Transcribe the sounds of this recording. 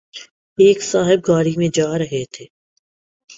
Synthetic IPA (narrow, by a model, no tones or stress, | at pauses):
eːksaːɦɪb̚ɡaːɽimẽd͡ʒaːɾɐɦet̪ʰeː